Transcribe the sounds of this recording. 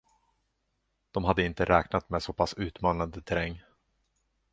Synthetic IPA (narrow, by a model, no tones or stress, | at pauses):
d̪̥ɔmɦad̪ːəɪnt̪əɾʔɛːknat̪mɛsɔpʰasʉ̟ːt̪mɑːnand̪ət̪ʰɛɾɛŋː